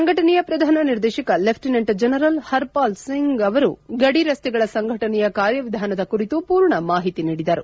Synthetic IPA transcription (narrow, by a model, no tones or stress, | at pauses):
ɐŋɡʱɐʈɐnɛjɐpɾɐd̪ʱaːnɐniɾd̪eːʃɐkɐlepʰʈineɳʈd͡ʒɐnɐɾɐlhɐɾpaːlsiŋɡɡɐʋɐɾuɡɐɽiɾɐst̪ɛɡɐɭɐsɐŋɡʱɐʈɐnɛjɐkaːɾjɐʋid̪ʱaːnɐd̪ɐkuɾit̪upuːɾɳɐmaːɦit̪iniːɽid̪ɐɾu